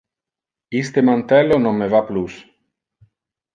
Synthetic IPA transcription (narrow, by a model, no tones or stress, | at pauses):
ist̪emant̪ɛlonomːevaplus